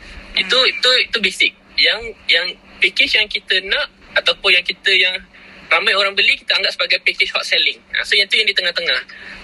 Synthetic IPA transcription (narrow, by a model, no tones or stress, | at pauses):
ḭt̪uit̪uit̪ubisɪk̚jaŋjaŋpikɪt͡ʃjaŋkit̪ənãʔat̪aupʊnjaŋkit̪əjaŋramajoɾaŋbəliki̥t̪əaŋɡaʔsəbaɡajpikɪt͡ʃhɔt̪sɛlɪŋa̰sojãit̪ujaŋdit̪əŋaht̪əŋah